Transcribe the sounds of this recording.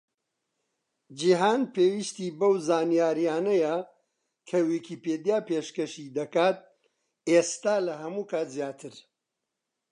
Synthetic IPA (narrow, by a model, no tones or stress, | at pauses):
d͡ʒiɦaːnpeːwiʃt̪ibɐwzaːnijaːɾijaːnɐjɐ | kʰɐwikʰiːped̪jaːpeʃkɐʃid̪ɐkaːt̪̚ | est̪aːlɐɦɐmukaːt̪zjaːt̪ʰɨɾ